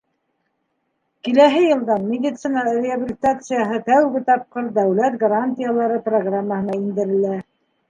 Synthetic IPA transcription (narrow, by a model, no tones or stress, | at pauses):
kilæɦɘjɤ̆lˠd̪ɑnmʲed̪ʲit̪sɨnɑrʲɪabʲɪlʲit̪at̪sɨjaɦɤt̪æwɡɘt̪ɑp̚qɤɾd̪æwlæt̪ɡɐɾanʲt̪ʲɪjalˠɑɾɤproɡramːəhɤ̆nɑind̪ɘ̆ɾɘ̆læ